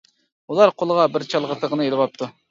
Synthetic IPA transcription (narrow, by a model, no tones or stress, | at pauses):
ulˠɑɾqʰolˠəʁɑbɪɾt͡ʃʰɑlˠʁət̪ʰəʁənɨelˠɪwɑp̚t̪ʰu